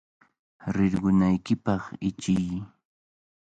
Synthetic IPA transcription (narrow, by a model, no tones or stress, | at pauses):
ɾɪɾɢʊnajkɪpɑχɪt͡ʃɪj